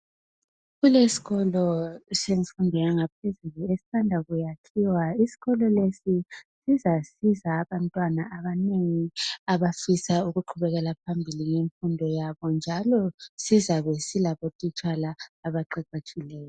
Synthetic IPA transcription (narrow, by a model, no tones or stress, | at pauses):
ɣulesi̥ɣɔlɔseŋifundʱɛɣaŋapʰezuluesi̥sandʱaɣujakʰiwaisi̥ɣɔlɔlesisizasizaːβantʼwanaʔaβaneŋiaβafisauɣuǃʰuβɛɣɛlapʰambʱiliŋeɱfundʱɔjaβɔnd͡ʒʱalɔsizaβɛsilaβotʼit͡ʃʼalaːβaǃɛǃat͡ʃʰʼilɛːjɔ